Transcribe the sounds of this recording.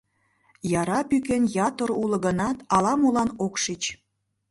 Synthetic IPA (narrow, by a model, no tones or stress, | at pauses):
jɑɾɑpykenjɑt̪əɾulɤ̆ɣənɑt̪ɑlɑmulɑnokʃit͡ɕ